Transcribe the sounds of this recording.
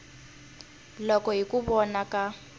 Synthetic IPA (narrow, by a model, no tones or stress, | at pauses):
lɔkɔɦikʼubɔnaka